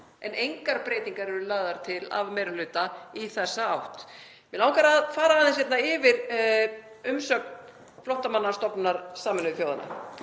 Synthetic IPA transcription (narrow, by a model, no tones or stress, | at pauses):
ɛnejŋkaɾpɾeːjt̪iŋkaɾɛɾʏlaːɣðaɾ̥t̪ʰɪla̰vmɛjɾʏlʏːt̪aiθɛsːaawht̪ | mɛnaːwkaɾaðfaːɾaːðɪnsjɛt̪naɪvɪɾ | ʏmsœk̚n | flɔht̪amanːḁst̪ɔpnaɾ̥saːmɛnʏθjoːwða̰na̰